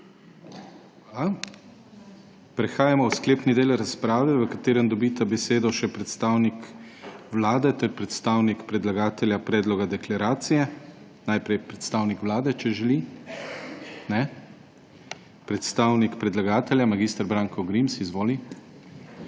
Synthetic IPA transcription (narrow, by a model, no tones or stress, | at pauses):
a | pɾɛxaːjamɔwskleːpnid̪eːlɾaspɾaːʋɛʋəkat̪eːɾənd̪ɔbiːt̪abɛseːd̪ɔʃɛpɾɛt̪st̪aːwnikʋlaːd̪ɛt̪ɛɾpɾɛt̪st̪aːwnikpɾɛd̪laɡaːt̪ɛljapɾɛːd̪lɔɡad̪ɛklaɾaːt̪sijɛ | najpɾɛjpɾɛt̪st̪aːwnikʋlaːd̪ɛt͡ʃɛʒɛli | nɛ | pɾɛt̪st̪aːwnikpɾɛd̪laɡaːt̪ɛljamaɡiːst̪əɾbɾaːŋkɔɡɾimsizʋoːli